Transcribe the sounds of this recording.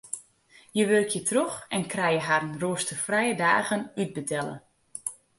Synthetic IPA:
jəʋølkʰjətʰroxɛnkrɛjəɦaɾənruəstəfrɛjədaːɣənyd̚bətʰɛlə̰

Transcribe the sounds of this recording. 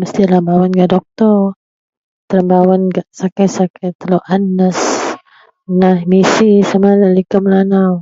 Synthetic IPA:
məst̪ilambawanɡaʔdɔk̚t̪ɔr | t̪əlambawanɡaʔsakajsakajt̪əloʔanːəs | nahmisisamalalikəməlanaw

